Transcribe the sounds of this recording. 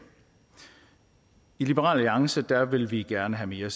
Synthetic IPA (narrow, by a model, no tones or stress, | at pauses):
ilib̥əʁɑ̰ːlliɑ̈ŋsəd̥æʋe̝lʋiɡ̥æɐnəɦæme̝ːɐs